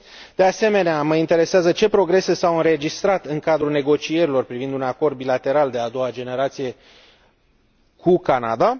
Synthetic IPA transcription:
d̪̥e̞ase̞me̞neaməint̪e̞ɾe̞seazət͡ʃe̞pɾo̞ɡɾe̞se̞sawɨnɾe̞d͡ʒist̪ɾat̪ɨŋkad̪ɾune̞ɡo̞t͡ʃije̞ɾilo̞rpɾivind̪unako̞rd̪̚bilat̪e̞ɾald̪e̞ad̪o̞wad͡ʒe̞ne̞ɾat̪sije̞ | kʰukana̰d̪a

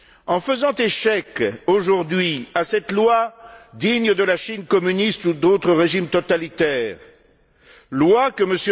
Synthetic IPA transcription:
ɑ̃fəzɑ̃t̪eʃɛkoʒuʁd̪ɥiasɛt̪lwad̪iɲd̪əlaʃinkɔmynist̪ud̪ot̪χəʁeʒimt̪ɔt̪alit̪ɛːʁ | lwakəməsj

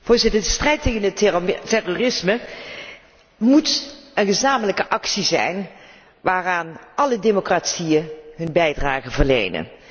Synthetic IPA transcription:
v̥ʊːɹzɪtədəstrɛjtejɣənətɛrorɪsmə | mutənχəzaːmələkəʔɑksizɛ̰jn | ʋaːraːnʔɑlədemokratsijəɦɵnbɛjdraːχənvərlḛjnə̰n

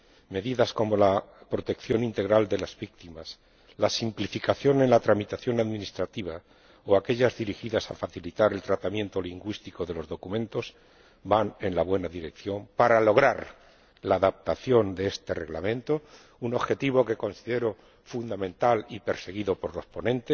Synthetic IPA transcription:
me̞ðiðasko̞mo̞lapɾo̞t̪e̞kθjo̞nint̪e̞ɣɾald̪e̞lazβik̚t̪imas | lasimplifikaθjo̞ne̞nlat̪ɾamit̪aθjo̞naðmĩnist̪ɾat̪iβ̞a | oake̞ʎazðiɾixiðasa̰faθilit̪aɾe̞lt̪ɾat̪amje̞nt̪o̞liŋɡwist̪iko̞ðe̞lo̞zðo̞kumẽ̞nt̪o̞s | bane̞nlaβwe̞naðiɾe̞kθjo̞mpaɾalo̞ɣ̞ɾaɾ | laːðap̚t̪aθjo̞nd̪eest̪e̞re̞ɣla̰mẽ̞nt̪o̞ | uno̞βxe̞t̪iβ̞o̞ke̞ko̞nsiðe̞ɾo̞ | fund̪amẽnt̪alipe̞ɾse̞ɣ̞iðo̞po̞ɾlo̞spo̞nẽ̞nt̪es

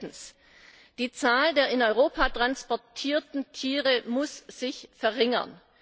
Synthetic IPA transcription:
n̩s | d̥iːt͡saːldeːɐɪnɔʏʁoːpʰatʁ̥anspɔɐtʰiːɐtn̩tʰiːʁəmʊsz̥ɪçfɛɐʁɪŋɐ̰n

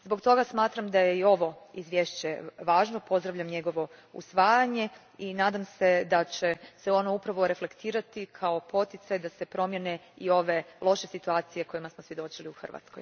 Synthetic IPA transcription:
zbo̞kt̪o̞ɡasmaːt̪ɾamd̪aje̞io̞ʋo̞izʋje̞ːʃt͡ɕe̞ʋaːʒno̞po̞zd̪ɾaʋʎamɲe̞ɡo̞ʋo̞ṵsʋaːjaɲe̞ | inaːd̪amse̞d̪at͡ɕe̞seo̞noupɾaʋo̞ɾe̞fle̞kt̪iːɾat̪ikʰao̞pʰo̞t̪jit̪sajd̪ase̞pɾo̞mje̞neio̞ʋe̞lˠo̞ʃe̞sit̪uaːt̪sijeko̞jimasmosʋje̞d̪o̞t͡ɕiliuxr̩ʋa̰t̪sko̞̰j

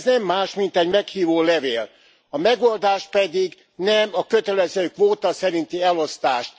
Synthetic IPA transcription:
znɛmːaːʃmint̪ɛɟmɛkhiːvoːlɛveːl | ɒmɛɡo̞ld̪aːʃpɛd̪iɡ | nɛmɒkø̞t̪ɛlɛzøːkʋoːt̪ɒsɛɾint̪iɛlo̞st̪aːʃt̪

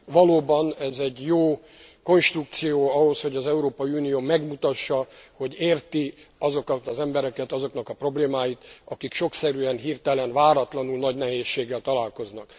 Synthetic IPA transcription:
ʋɒloːbɒnɛzɛɟjoː | ko̞nʃt̪ruk̚t̪sijoːɒɦo̞sho̞ɟɒzɛuɾoːpɒiunijoːmɛɡmut̪ɒʃːɒho̞ɟeːrt̪iɒzo̞kɒt̪ɒzɛmbɛɾɛkɛt̪ɒzo̞kn̪ɒkɒpro̞bleːmaːjit̪ɒkikʃo̞ksɛɾyɛnɦiːrt̪ɛlɛnvaːɾɒt̪lɒnulnɒɟnɛɦeːʃːeːɡːɛlt̪ɒlaːlko̞znɒk

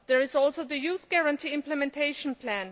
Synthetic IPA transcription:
ðɛ˞ɪzɔlˠsoʊðəjuθɡ̥ɛɹə̃ntʰiɪ̃mpləmɛ̃ntʰeɪʃə̃npʰlæ̃n

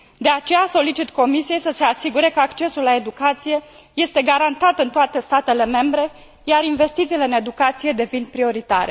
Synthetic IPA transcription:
d̪e̞at͡ʃe̞jaso̞lit͡ʃit̪ko̞misije̞jsəse̞asiɡuɾe̞kəakt͡ʃe̞sulːae̞d̪ukat̪sije̞ | je̞st̪e̞ɡaɾant̪at̪ɨnt̪oat̪e̞st̪at̪e̞le̞me̞mbɾe̞ | jaɾinve̞st̪it̪sile̞ɨne̞d̪ukat̪sije̞d̪e̞vinpɾio̞ɾit̪a̰ɾe̞

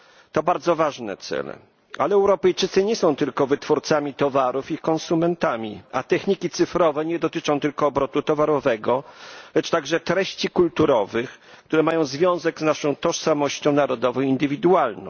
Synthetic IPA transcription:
t̪ɔbaɾd̪zɔvaʐnɛ̰t̪sɛ̰lɛ̰ | alɛɛwɾɔpɛjt͡ʂɘt̪sɘɲɛsɔ̃w̃t̪ɘlkɔvɘt̪fuɾt̪samʲit̪ɔvaɾufikɔ̃nsumɛnt̪amʲḭa̰t̪ɛxɲikʲit̪sɘfɾɔvɛɲɛd̪ɔt̪ɘt͡ʂɔ̃w̃t̪ɘlkɔːbɾɔt̪ut̪ɔvaɾɔvɛɡɔlɛt͡ʂt̪aɡʐɛt̪ɾɛɕt͡ɕikult̪uɾɔvɘx | k̚t̪uɾɛmajɔ̃w̃zvʲjɔ̃w̃zɛɡznaʂɔ̃w̃t̪ɔʂsamɔɕt͡ɕɔ̃w̃naɾɔd̪ɔvɔ̃w̃ind̪ɘvʲid̪ualnɔ̰̃w̃

